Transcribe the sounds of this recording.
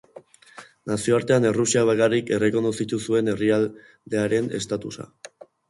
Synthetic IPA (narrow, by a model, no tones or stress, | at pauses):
nasio̞aɾt̪e̞ane̞rusiaβ̞akarike̞re̞ko̞nosit̪usue̞ne̞rial | d̪e̞aɾe̞ne̞̰st̪at̪usa̰